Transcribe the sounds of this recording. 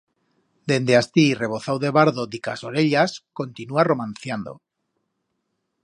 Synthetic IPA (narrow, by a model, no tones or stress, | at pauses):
d̪e̞nd̪east̪ire̞β̞o̞θawðe̞βaɾðod̪ikaso̞ɾe̞ʎasko̞nt̪inuaro̞mãnθjand̪o̞̰